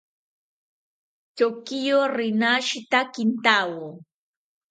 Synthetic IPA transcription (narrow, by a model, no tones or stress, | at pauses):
t͡ʃokɪjoːɾɪnaʃɪt̪akɪnt̪aːwoː